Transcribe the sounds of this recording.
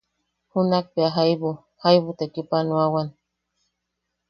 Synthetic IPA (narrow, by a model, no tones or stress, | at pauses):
hunak̚piaɦajβu | hajβut̪ekipanuawan